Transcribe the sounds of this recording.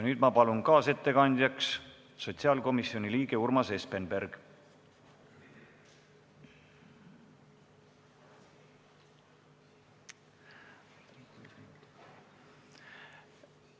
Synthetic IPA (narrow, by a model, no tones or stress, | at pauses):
nyːd̪̥mɑpɑlunkɑːse̞t̪ːe̞kɑnʲd̪̥ʲjɑks | so̞t̪ʲsiɑːlko̞misjo̞nʲiliːɡ̥e̞urmɑse̞spenberɡ̥